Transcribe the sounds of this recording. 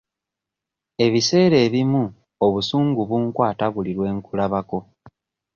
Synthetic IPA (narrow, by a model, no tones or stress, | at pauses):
e̞βise̞ːɾe̞ːβimu | oβusuːŋɡuβuŋkwaːtaβuliɾwe̞ːŋkulaβako̞